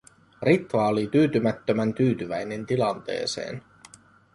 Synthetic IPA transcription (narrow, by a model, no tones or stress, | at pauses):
rit̪ʋɑolit̪yːt̪ymæt̪ːømænt̪yːt̪yʋæjne̞nt̪ilɑnt̪e̞̰ːse̞̰ːn